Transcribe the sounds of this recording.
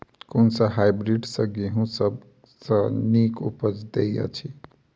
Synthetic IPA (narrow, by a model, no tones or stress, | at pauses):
kunsəɦajbɾiɖsʌɡeɦũsəb | sʌnikṵpəd͡ʒd̪ejjʌ̰t͡ʃʰi